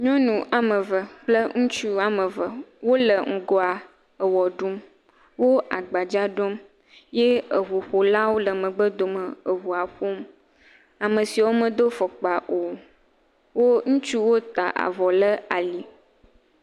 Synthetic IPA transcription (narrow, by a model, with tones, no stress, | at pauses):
ɲɔ̃˦nũ˨ʔa˨mə˨və˨k͡plə˦ŋũ˦t͡ʃu˦a˨mə̃˨və˨wo˦lə˨ŋ̩˨ɡɔ˦a˨ | ə˨wɔ˨ɖu˦m | wo˦a˨ɡ͡ba˨d͡ʒa˦ɖo˦m | je˦ə˨ɦu˨ɸo˨la˦wo˦lə˨mə̃˨ɡ͡bə˦d̪o˨mə˨ə˨ɦu˨a˨ɸo˦m | a˨mə̃˨si˨wo˦mə̃˨d̪o˦fɔ˨k͡pa˨ʔo˨ | wo˦ŋũ˦t͡ʃu˦wo˦t̪a̰˨ʔa̰˨vɔ˨lə˦a˨li˨